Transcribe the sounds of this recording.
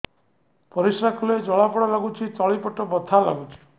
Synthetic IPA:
pɔɾisɾakʰuled͡ʒɔɭapɔɽalaɡut͡ʃʰitɔɭipɔʈɔbɔt̪ʰala̰ɡut͡ʃʰi̥

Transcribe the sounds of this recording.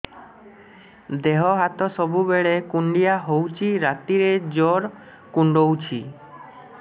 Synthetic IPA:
d̪eɦɔɦat̪ɔsɔbubeɭekuɳɖijaɦowt͡ʃʰiɾat̪iɾed͡ʒoɾ | kuɳɖowt͡ʃʰi

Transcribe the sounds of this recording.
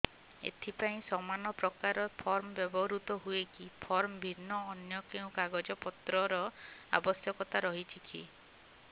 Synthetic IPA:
ḛt̪ʰipaĩsɔmanɔpɾɔkaɾɔpʰɔɾmɔbjɔbɔɦɾut̪ɔɦuekipʰɔɾmɔbʱinːɔːnjɔkeũkaɡɔd͡ʒɔpɔt̪ɾɔɾɔa̰bɔsjɔkɔt̪aɾɔɦit͡ʃʰikʰḭ

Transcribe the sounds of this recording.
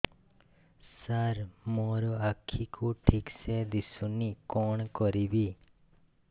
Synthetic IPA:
saɾmoɾɔakʰːikʰuʈʰiksed̪isunikɔɳkɔɾibi

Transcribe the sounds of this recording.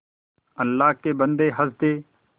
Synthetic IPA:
əlːaːɦkeːbənd̪eːɦəzd̪eː

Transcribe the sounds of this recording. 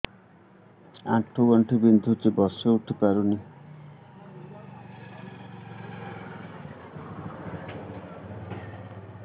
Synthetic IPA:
a̰ʈʰuɡɔɳʈʰibind̪ʱut͡ʃebɔseuʈʰipaɾuni

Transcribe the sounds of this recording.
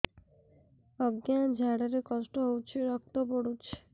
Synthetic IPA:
ɔɡjad͡ʒʱaɽaɾekɔsʈɔɦowt͡ʃʰiɾɔk̚t̪oboɽut͡ʃʰ

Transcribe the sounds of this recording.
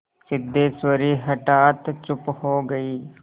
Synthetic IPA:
sɪd̪ːeːswəɾiɦɐʈaːt̪t͡ʃʊphoːɡɐiː

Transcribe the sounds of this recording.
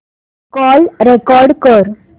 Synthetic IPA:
kɔːlɾekɔɾɖkəɾ

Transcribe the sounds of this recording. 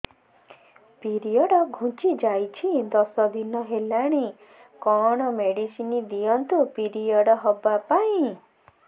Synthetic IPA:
piɾijɔɽɔɡʱũt͡ʃid͡ʒajt͡ʃʰid̪ɔsɔd̪inɔɦelaɽ̃i | kɔɽ̃ɔmeɽisinid̪ijɔnt̪upiɾijɔɽɔɦɔbapaĩ

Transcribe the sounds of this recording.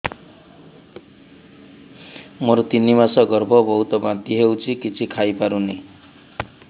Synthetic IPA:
moɾut̪inimasɔɡɔɾbʱɔbɔɦut̪ɔbãnt̪iɦewt͡ʃʰikit͡ʃʰikʰajpaɾuni

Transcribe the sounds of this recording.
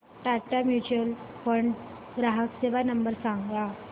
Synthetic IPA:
ʈaʈamjut͡ɕəlpəɳ | ɡɾaɦəkseʋanəmbəɾsãŋɡla

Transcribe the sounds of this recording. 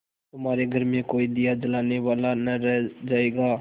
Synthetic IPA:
t̪ʊmaːɾeɡʱəɾmẽkoːid̪ijad͡ʒɐlaːneʋaːlanɐɾɛɦd͡ʒaːeːɡaː

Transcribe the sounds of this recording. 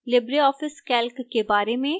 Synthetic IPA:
lɪbɾiɔːfɪskɛːlkkːebaːɾemẽ

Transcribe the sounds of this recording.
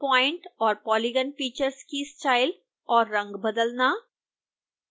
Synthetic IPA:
pɔɪɳʈɔːɾpɔliɡənfiːt͡ɕəɾskiːst͡ɕajl | ɔːɾːə̃ŋɡbəd̪əlna

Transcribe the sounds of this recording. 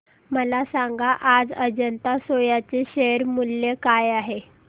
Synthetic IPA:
məlasaŋɡaʔad͡zəd͡ʑənt̪asojat͡seɕeɾmulːekajaɦe

